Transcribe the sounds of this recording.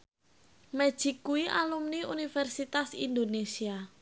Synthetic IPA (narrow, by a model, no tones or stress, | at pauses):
mɛ̥ʒ̥ikːuiʔa̰lumniṵnifɛrsit̪asḭnd̪onesia